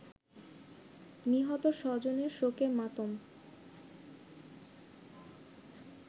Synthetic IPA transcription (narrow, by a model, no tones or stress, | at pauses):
niɦɔt̪oʃɔd͡ʑoneɾʃokemat̪om